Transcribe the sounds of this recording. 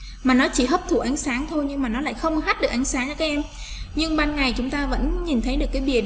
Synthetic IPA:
maː˨˩nɔ˨˦t͡ɕi˧˩ɦəː˦˥p̚t̪ʰu˧˩ʔa˨˦jŋ̟saː˨˦ŋt̪ʰo˧jɲɨ˧ŋmaː˨˩nɔ˨˦la̰ː˧˨jxə˧wŋ͡mɦa˦˥t̚ɗɨ˨˩k̚ʔa˨˦ŋsaː˨˦ŋt͡ɕɔ˧kːʔɛ˧m | ɲɨ˧ŋɓaː˧nŋa˨˩jt͡ɕʊ˨˦ŋ͡mt̪aː˧və̰˧˥nɲi˨˩nt̪ʰə˨˦jɗɨ˨˩əkːaː˨˦ɓi˧˩ə

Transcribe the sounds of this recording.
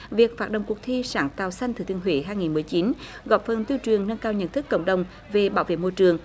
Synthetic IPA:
vi˨˩ək̚faː˦˥t̚ɗə̰˧˨wŋ͡mku˨˩k̚t̪ʰi˧saː˧˩nt̪aː˨˩wsa˧jŋ̟t̪ɨ˨˩t̪i˧˩əŋɦweː˧˨˦ɦaː˧jŋi˨˩nmɨ˨˩əjt͡ɕi˨˦n | ɣɔ̰˨˩p̚fə˨˩nt̪i˧wt͡ɕɨ˨˩əŋnə˧nkaː˧wɲə̰˧˨nt̪ɨ˦˥kːə̰˧˩wŋ͡mɗə˨˩wŋ͡m | ve˨˩ɓaː˧˦wvḛ˧˨mo˧jt͡ɕɨ˨˩əŋ

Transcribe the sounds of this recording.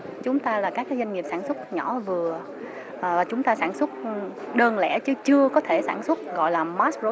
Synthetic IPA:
t͡ɕʊ˨˦ŋ͡mt̪aː˧laː˨˩kaː˦˥k̚ːaː˨˦za˧ŋ̟ŋi˨˩p̚saː˧˩nswə˦˥t̚ɲɔ˧˩˦vɨ˨˩ə | ʔːvaː˨˩t͡ɕʊ˨˦ŋ͡mt̪aː˧saː˧˩nswə˦˥t̚ | ɗəː˧nlɛ˧˩t͡ɕɨ˨˦t͡ɕɨ˧əkɔ˨˦t̪ʰe˧˩saː˧˩nswə˦˥t̚ɣɔ̰˧˨jlaː˨˩maː˦˥szo˨˦

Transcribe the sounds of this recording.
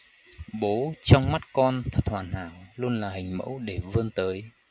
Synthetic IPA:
ɓo˨˦t͡ɕɔ˧wŋ͡mma˦˥t̚kɔ˧nt̪ʰə˦˩t̚hwaː˨˩nhaː˧˩wlu˧ənlaː˨˩hi˨˩ŋ̟mə̰˧˥wɗe˧˩vəː˧ənt̪əː˨˦j

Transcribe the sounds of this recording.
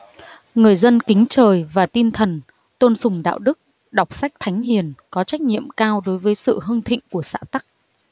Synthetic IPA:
ŋɨ˨˩əjzə˧nkï˨˦ŋ̟t͡ɕəː˨˩jvaː˨˩t̪i˧nt̪ʰə˨˩n | t̪o˧nsʊ˨˩ŋ͡mɗa̰ː˧˨wɗɨ˦˥k̚ | ɗa˨˩wk͡p̚sa˦˥jk̚t̪ʰa˨˦jŋ̟ɦi˨˩ənkɔ˨˦t͡ɕa˦˥jk̟̚ɲḭ˧˨əmkaː˧wɗo˨˦jvəː˨˦jsɨ̰˧˨ɦə˧ŋt̪ʰḭ̈˧˨ŋ̟ku˧˩əsa̰ː˧˥t̪a˦˥k̚

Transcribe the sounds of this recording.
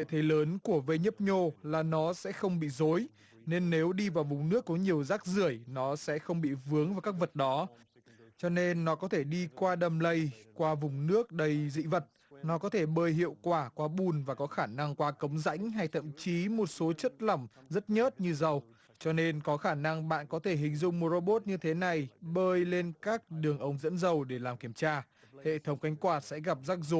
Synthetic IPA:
ḛ˧˨t̪ʰe˨˦ləː˨˦nku˧˩əvə˧jɲə˦˥p̚ɲo˧laː˨˩nɔ˨˦sɛ̰˧˥xə˧wŋ͡mɓḭ˧˨zo˨˦j | ne˧nːe˨˦wɗi˧vaː˨˩wvʊ˨˩ŋ͡mnɨ˦˥əkːɔ˨˦ɲi˨˩əwzaː˦˥k̚zɨ˧˩əjnɔ˨˦sɛ̰˧˥xə˧wŋ͡mɓḭ˧˨vɨ˨˦əŋvaː˨˩wkaː˦˥k̚və˨˩t̚ɗɔ˨˦ | t͡ɕɔ˧ne˧nːɔ˨˦kɔ˨˦t̪ʰe˧˩ɗi˧kwaː˧ɗə˨˩mlə˧jkwaː˧vʊ˨˩ŋ͡mnɨ˦˥ək̚ɗə˧jzḭ˧˥və˨˩t̚ | nɔ˨˦kɔ˨˦t̪ʰe˧˩ɓəː˧jɦḭ˧˨əwkwaː˧˩kwaː˨˦ɓu˨˩nvaː˨˩kɔ˨˦xaː˧˩na˧ŋkwaː˨˦kə˨˦wŋ͡mza̰˧˥jŋ̟ɦa˧jt̪ʰə̰˧˨mt͡ɕi˨˦mo˨˩t̚so˨˦t͡ɕə˦˥t̚lə˧˩ŋ͡mzə˦˥t̚ɲə˦˥t̚ɲɨ˧zə˨˩w | t͡ɕɔ˧ne˧nkɔ˨˦xaː˧˩na˧ŋɓa̰ː˧˨nkɔ˨˦t̪ʰe˧˩ɦï˨˩ŋ̟zʊ̰˧˨ŋ͡mmo˧˩zo˧ɓo˦˥t̚ɲɨ˧t̪ʰe˨˦na˨˩jɓəː˧jle˧nkaː˦˥k̚ɗɨ˨˩əŋʔə˨˦wŋ͡mzə̰˧˥nzə˨˩wɗe˧˩laː˨˩mki˧˩əmt͡ɕaː˧ | hḛ˧˨t̪ʰə˨˦wŋ͡mka˨˦jŋ̟kwaː˨˩t̚sɛ̰˧˥ɣa˨˩p̚zaː˦˥k̚zu˨˦

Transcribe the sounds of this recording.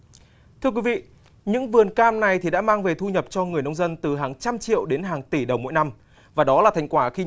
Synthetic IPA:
t̪ʰɨ˧əkwi˨˦vḭ˧˨ | ɲɨ̰˧˥ŋvɨ˨˩ənkaː˧mna˨˩jt̪ʰi˨˩ɗa̰ː˧˥maː˧ŋve˨˩t̪ʰu˧ɲə˨˩p̚t͡ɕɔ˧ŋɨ˨˩əjnə˧wŋ͡mzə˧nt̪ɨ˨˩ɦaː˨˩ŋt͡ɕa˧mt͡ɕḭ˧˨əwɗe˨˦nɦaː˨˩ŋt̪i˧˩ɗə˨˩wmo̰˧˥jna˧m | vaː˨˩ɗɔ˨˦laː˨˩t̪ʰa˨˩ŋ̟kwaː˧˩xi˧

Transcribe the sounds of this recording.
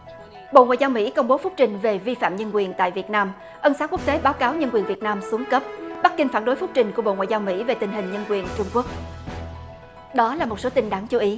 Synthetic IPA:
ɓo̰˧˨ŋaː˧˨jza˧wmḭ˧˥kə˧wŋ͡mɓo˨˦fʊ˦˥k͡p̚t͡ɕï˨˩ŋ̟ve˨˩vi˧fa̰ː˧˨mɲə˧nkwi˨˩ənt̪a̰ː˧˨jvi˨˩ət̚naː˧m | ʔə˧nsaː˨˦˥ku˦˥ək̚t̪e˨˦ɓaː˨˦wkaː˨˦wɲə˧nkwi˨˩ənvi˨˩ət̚naː˧msu˨˦əŋkə˦˥p̚ɓa˦˥k̚ki˧ŋ̟faː˧˩nɗo˨˦jfʊ˦˥k͡p̚t͡ɕï˨˩ŋ̟ku˧˩əɓo̰˧˨ŋwaː˧˨zaː˧wmḭ˧˥ve˨˩t̪ï˨˩ŋ̟ɦi˨˩ŋ̟ɲə˧nkwi˨˩ənt͡ɕʊ˧ŋ͡mku˦˥ək̚ | ɗɔ˨˦laː˨˩mo˨˩so˨˦t̪ï˧ŋɗaː˨˦ŋt͡ɕu˨˦ʔi˨˦

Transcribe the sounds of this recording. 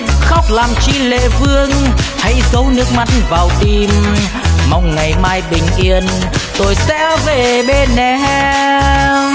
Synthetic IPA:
xa˦˥wk͡p̚laː˨˩mt͡ɕi˧lḛ˧˨fɨ˧əŋha˧˥jzə˨˦wnɨ˦˥ək̚ma˧˥tvaː˨˩wt̪i˨˩m | ma˧wŋ͡mŋa˨˩jmaː˧jɓï˨˩ŋ̟ʔi˧˩ənt̪o˧˩jsɛ˧˥ve˨˩ɓe˧nːɛ˨˩hɛ˧

